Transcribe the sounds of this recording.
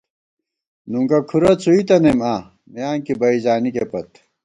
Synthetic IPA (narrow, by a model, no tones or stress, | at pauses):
nuŋkɐkʰuɾɐt͡sʰuit̪ɐnema | mijaːŋkibɐizaːnikepɐt̪